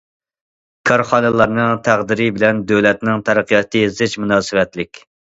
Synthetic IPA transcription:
kʰɑɾχɑnɨlˠɑɾnɨŋt̪ʰæʁd̪ɪɾɪbɪlɛnd̪øwlɛt̪nɪŋt̪ʰæɾɨqʰijɑt̪ʰːɨzɪʃmunɑːsɨwɛt̪lɪkʲ

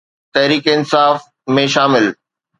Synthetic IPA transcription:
t̪ɛɦɾiːkɪnsaːf | mẽʃaːmɪl

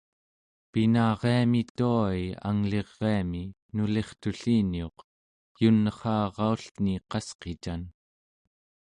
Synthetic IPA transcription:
pinɑːʁeamit̪uaia̰ŋle̞ʁːeami | nule̞χt̪uɬinio̞q | junːəχɑːʁɑuɬt̪niqɑsqet͡ʃan

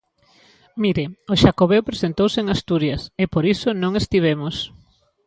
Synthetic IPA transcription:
miɾeoʃakoβewpɾesent̪owsɪeŋast̪uɾjasepoɾisonõŋest̪iβ̞emʊs

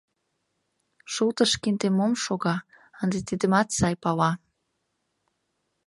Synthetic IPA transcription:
ʃult̪əʃkint̪emomʃoɣɑ | ənd̪et̪id̪ə̆mɑt̪sɑjpɑwɑ

